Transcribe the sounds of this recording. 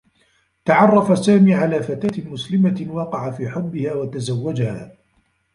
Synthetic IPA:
t̪aʕɑrˤːɑfasaːmiːʕalaːfat̪aːt̪mʊslɪmawɑːqɪʕafiːħʊbːɪhaːwat̪azawːad͡ʒahaː

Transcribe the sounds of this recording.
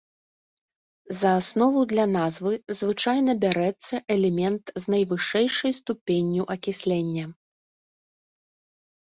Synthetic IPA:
zɐːsnɔvud̪lʲɐnazvɨzvɨt͡ʂajnɐbʲaɾɛt̪sːɐʔɛlʲɛmʲɛnt̪znɐjvɨʂɛjʂɐjst̪upʲenʲːuʔɐkʲisʲlʲɛnʲːɐ

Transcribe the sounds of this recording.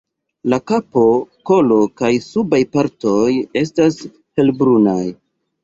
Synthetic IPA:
lakapo̞ko̞lo̞kajsubajpaɾto̞je̞stas | he̞lbɾunaj

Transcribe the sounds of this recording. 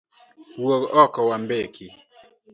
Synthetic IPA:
woɡɔkɔwambekʰi

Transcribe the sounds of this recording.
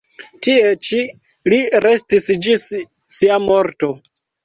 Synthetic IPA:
tie̞t͡ʃi | liɾe̞stisd͡ʒisː | iamo̞ɾto̞

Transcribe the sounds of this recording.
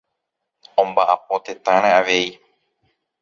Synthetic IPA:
õmbaʔapo̞t̪e̞t̪ãɾ̃ãaʋe̞i

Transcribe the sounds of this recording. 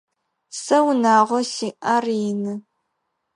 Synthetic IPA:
sɐwnaːʁʷɔsiːʔarjɪnɨ

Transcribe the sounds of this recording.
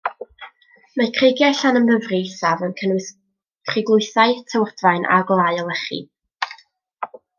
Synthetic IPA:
makʰreɡjaɬanəməvrisavənkʰən | kʰrɪɡlˠʊɨθaɨtʰəwrdvaɨnʔa̰ɡlˠaɨɔlˠɛχɨ̰

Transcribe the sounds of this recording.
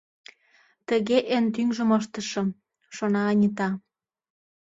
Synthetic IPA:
t̪ə̆ɣeʔent̪̬yŋʒəməʃ̬t̪ə̆ʃɤ̆ | ʃonɑːnʲit̪̬ɑ

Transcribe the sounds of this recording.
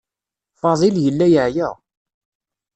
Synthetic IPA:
fɑðˤiljəlːæjəʕjəʁ

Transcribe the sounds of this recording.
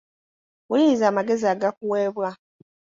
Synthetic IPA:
wulizaːmaɡe̞ziaɡakuweːβwa

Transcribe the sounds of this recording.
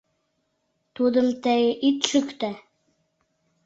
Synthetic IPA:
t̪ud̪ə̆mt̪æjʔit̪ʃɵkt̪æ

